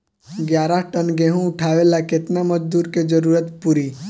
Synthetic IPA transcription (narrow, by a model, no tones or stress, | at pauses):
ɡjaːɾaʈənɡẽɦũʊʈʰaːʋelakɪt̪naməd͡ʒd̪uːɾked͡ʒəɾuːɾət̪puɾi